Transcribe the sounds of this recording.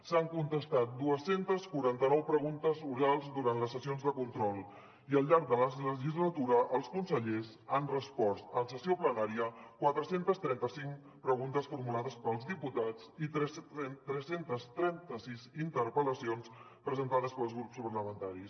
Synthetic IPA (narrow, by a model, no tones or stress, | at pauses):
saŋkunt̪əst̪at̪̚d̪uəsent̪əskuɾant̪ənɔwpɾəɣunt̪əzuɾalˠzd̪uɾant̪ləsːəsionzðəkunt̪ɾɔlˠ | iəlˠʎaɾk̚d̪ələzləʒizlət̪uɾəʔːlˠskunsəʎez | anrəspɔst̪əsəsioplənaɾiəkwat̪ɾəsent̪əst̪ɾɛnt̪əsiŋ | pɾəɣunt̪əsfuɾmulaðəspəlˠzðiput̪at͡sit̪ɾɛt̪ɾɛsent̪əst̪ɾɛnt̪əsizint̪əɾpələsions | pɾəzənt̪aðəspəlˠzɣɾupspəɾləmənt̪aɾis